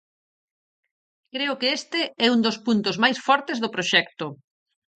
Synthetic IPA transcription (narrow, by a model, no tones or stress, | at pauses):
kɾeʊkeest̪ɪɛund̪ospunt̪ʊzmajsfɔɾt̪ezðʊpɾoʃɛkt̪ʊ